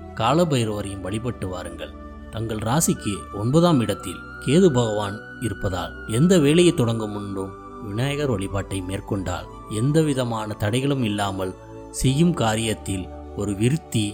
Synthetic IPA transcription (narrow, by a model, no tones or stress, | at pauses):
kaːlɐbɐɪjɾoːɾɐjɯmʋɐɭɪpɐʈːɯʋa̰ːɾɯŋɡɐ̰ɭ | t̪ɐŋɡɐɭɾaːsɪkːɯɔɳbɐːðaːmɪɽɐt̪ːɪ̰l | keːðɯbʱɐɣɐʋaːn | ɪɾɯpːɐða̰ːlɛnd̪ɐʋeːlɐjɐɪt̪ːɔɽɐŋɡɯmʊɳɖɯm | ʋɪɳaːjɐɣɐɾʋɐɭɪpaːʈːɐɪmeːrkɔɳɖa̰ːl | ɛnd̪ɐʋɪðɐmaːnɐt̪ɐɽɐɪɣɐɭɯmɪlːaːmɐl | sɛjːɯmkaːɾɪjɐt̪ːɪl | ɔɾɯʋɪɾɯt̪ːi